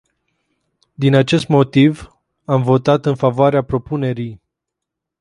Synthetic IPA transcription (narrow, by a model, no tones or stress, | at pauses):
d̪inat͡ʃe̞st̪mo̞t̪iv | amvo̞t̪at̪ɨnfavoaɾeapɾo̞pune̞ɾij